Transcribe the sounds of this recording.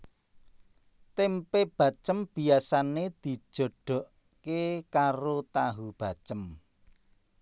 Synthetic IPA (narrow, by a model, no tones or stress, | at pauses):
t̪empeb̥a̤t͡ʃəmb̥i̤asaned̪̥i̤̥ʒ̥o̤ɖ̥o̤ʔ | kekaɾot̪aɦub̥a̤t͡ʃəm